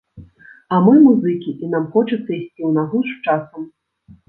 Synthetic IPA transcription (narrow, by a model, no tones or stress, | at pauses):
ɐmɨmuzɨkʲiʔinamxɔt͡ʂɐt̪sːɐisʲt͡sʲiwnaɣuʂt͡ʂasɐm